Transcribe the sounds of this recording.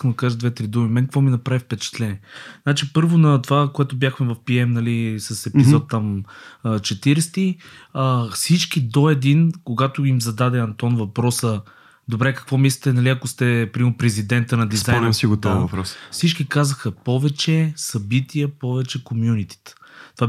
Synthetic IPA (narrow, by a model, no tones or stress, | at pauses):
iskəmd̪əkaʒəd̪vɛt̪ɾid̪umimɛkəkvɔminɐpɾavifpɛt͡ʃɛ̥t̪lɛniɛznat͡ʃipɤɾvonɐt̪ovakoɛt̪ʊbjaxmɛvɐfpiɛmnɐlisɐsɛpizɔt̪ːamː | t͡ʃɛt̪iɾɛst̪iəfsit͡ʃkid̪oɛd̪inkoɡat̪ʊimzɐd̪ad̪ɛɐnt̪ɔnvɐpɾɔsə | d̪obɾɛkə̥kvɔmislit̪ɛnɐliɐkost̪ɛpɾipɾɛzid̪ɛnt̪ənɐd̪izanɛmsiɡot̪ɔvɐpɾɔsfsit͡ʃkikazəxəpɔvɛt͡ʃɛsɐbit̪ʰijəpɔvɛt͡ʃɛkomjunit̪i̥t̪t̪ova